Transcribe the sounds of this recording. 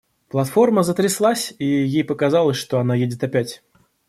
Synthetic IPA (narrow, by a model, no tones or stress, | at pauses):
plˠɐt̪fo̞rməzət̪ɾʲɪslˠasʲijejpəkɐzɑlˠəsʲʂt̪oɐnajedʲɪt̪ɐpʲætʲ